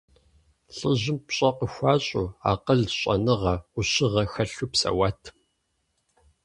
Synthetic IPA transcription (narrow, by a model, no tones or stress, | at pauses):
ɬʼɨʑɪmpɕʼɐqəxʷaːɕʼuːa̰ːqəɮɕʼɐ̰nɨʁɐʊɕɪʁɐxɐɬupsɐ̰waːtʰ